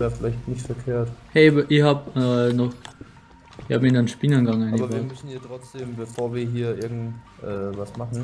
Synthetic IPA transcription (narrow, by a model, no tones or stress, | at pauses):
ɛːɐfɪlaɪçtnɪçtfɛɐkʰeːɐthɛɪbʔiːɐhaːpnɔχ | haːpminɔnʃpinɐnɡɑŋaɪibɐvamʏsn̩hiːɐtʁ̥ɔt͡sd̥eːmbəfoːɐviːɐɦiːɐʔɪɐɡŋ̩t | ʔɛːvasmaχn̩